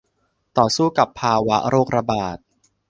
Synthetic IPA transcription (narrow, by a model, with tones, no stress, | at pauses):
t̪ɔː˨˩suː˥˩ka˨˩pʰːaː˧wa˦˥ɾoː˥˩k̚ɾa˧baː˨˩t̪̚